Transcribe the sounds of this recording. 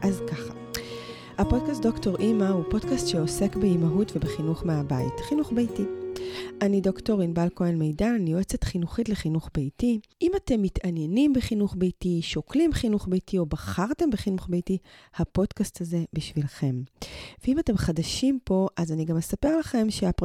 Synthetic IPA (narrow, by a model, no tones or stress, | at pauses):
ʔazkaχa | hapo̞d̚kast̚d̪o̞kto̞ʁʔimahupo̞dkastʃeose̞kbeimaɦutve̞beχinuχmeabaḭtχinuχbejtiʔanido̞kto̞ʁinbalkoenmejdanioet͡setχinuχitleχinuχbejtiʔimate̞mːitanjenimbeχinuχbejtiʃoklimχinuχbejtio̞baχaʁte̞mbeχinuχbejtihapo̞d̥kastaze̞biʃvilχe̞mveimate̞mχadaʃimpo̞ʔazaniɡamːe̞sape̞ʁlaχe̞mʃeap